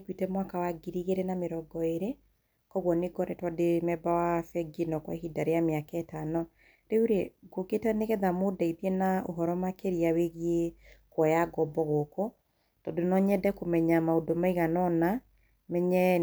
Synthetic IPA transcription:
kwitɛmwakawaɡiɾiɣeɾɛnameɾɔɡɔeɾe | kɔɣwɔneɡɔɾɛtwademɛbawafɛɡinɔkwa̰hidaɾeameakɛtanɔ | ɾeuɾeɡoketaneɣɛðamodaiðjɛnao̰ɦɔɾɔmakeɾiaweɣiekwɔjaɡɔbɔɣokɔ | tɔndonɔɲɛdɛkomɛɲamaodomaiɣanɔna | mɛɲɛ

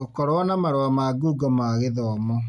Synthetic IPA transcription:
okɔɾwɔːnamaɾoamaɡuːɡɔmaːɣeðɔmɔ

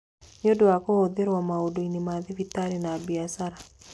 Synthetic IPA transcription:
ɲodoakood̪eɾwamaodoinimaðɪvitaɾinaːbiasaɾa

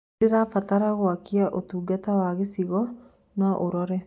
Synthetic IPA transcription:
eɾafataɾaɣwakiaʔotuːɡatawaɣesiɣɔ | naʔoɾɔɾɛ

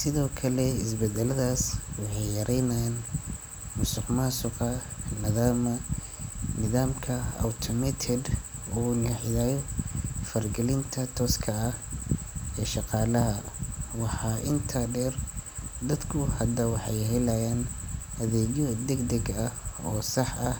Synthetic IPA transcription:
sɪðɔːkʰɐlɛɪsbɛd̪ɛlɐðaːswɑħɑjjːɐɾʔɛjnɐjaːn | mʊsɪqmaːsʊqɐnɪðaːmɐ | nɪðaːmkʰɐa̰wt̪ʰɔmɛt̪ʰɛd̪uːnɪħɪðaːjɔfɐrɡɛlɪnt̪ʰɐt̪ʰɔːskʰɐːh | ɛːʃɑqɑːlɐɦɐwɑħɑːʔɪnt̪ʰaɖɛrd̪ɐd̪kʰʊhɐd̪ɐwɑħɑjɦɛlɐjaːnhɐðɛːd͡ʒɔd̪ɛɡd̪ɛɡɐɔːsɑħɐh

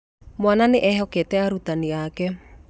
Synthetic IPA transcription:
mwananeʔɛɦɔkɛtɛaɾut̪aniakɛ

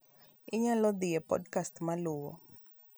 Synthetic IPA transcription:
ɪɲalɔd̪ɪjɛpɔ̰dkastmalʊwɔ̰

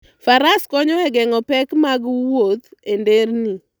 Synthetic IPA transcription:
faɾaskɔɲɔɛɡɛŋɔpɛkmaɡwot̪enderni

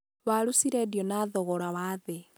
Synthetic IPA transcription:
βaɾusiɾɛdjɔnaðɔɣɔɾawaðe

